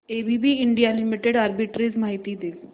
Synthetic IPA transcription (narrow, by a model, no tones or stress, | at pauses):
eːbʱibʱiɪɳɖijalɪmiʈeɽaːɾbiʈɾezmaːɦit̪id̪eː